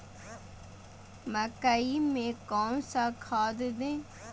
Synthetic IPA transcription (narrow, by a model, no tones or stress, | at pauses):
məkəimẽkɔːnsakʰaːd̪d̪ẽː